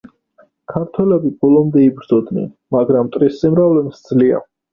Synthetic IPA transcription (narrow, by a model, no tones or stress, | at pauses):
kʰaɾt̪ʰwɛlɛbibɔlɔmd̪ɛibɾd̪zɔd̪nɛ̰n | maɡɾamt̪ʼɾisːimɾavlɛmsd̪zlia̰